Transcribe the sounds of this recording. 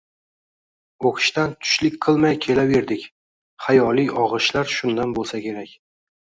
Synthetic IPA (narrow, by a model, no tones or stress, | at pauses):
oqʰɨ̥ʃt̪ant̪ʰʊ̥ʃlɪkʲqʰɨlˠmajkʲʰe̞lave̞ɾd̪ɪkʲ | χajɒlijʔɒʁɨʃlaɾʃʊnd̪anbolˠsakʲʰe̞ɾakʲ